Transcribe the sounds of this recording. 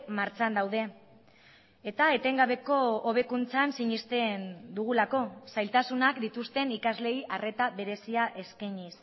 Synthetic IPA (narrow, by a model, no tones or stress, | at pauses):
maɾt͡ʃt͡sand̪awð̞e̞ | et̪aet̪e̞ŋɡaβe̞ko̞oβe̞kunt͡sansiɲist̪e̞nd̪uɣ̞ulako̞sajlt̪asunakd̪it̪ust̪e̞nikazle̞jʔare̞t̪aβe̞ɾe̞siaʔe̞skaɲis